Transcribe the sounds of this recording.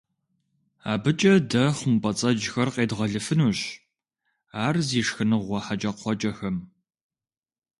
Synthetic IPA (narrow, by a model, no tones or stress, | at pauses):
aːbɨt͡ʃʼɐdɐχʷʊmpʼɐt͡sʼɐd͡ʒxɐrqʼeːdʁɐɮɨfɨnuːɕ | aːrziːʂxɨnɨʁʷɔħat͡ʃʼɐqʷʰɔt͡ʃʼɐxɐm